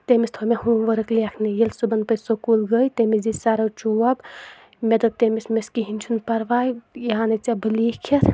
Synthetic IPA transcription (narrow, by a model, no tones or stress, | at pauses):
t̪emist̪ʰomeɦuʋəɾɐklijakʰnejelsubɐnpəjsokulɡəjt̪emid͡zisaɾɐwt͡ʃuɐb | med̪ɐb̚t̪emismeskiɦinʲt͡ʃʰunpɐɾʋajjanɐt͡sɐbɨlikʰet̪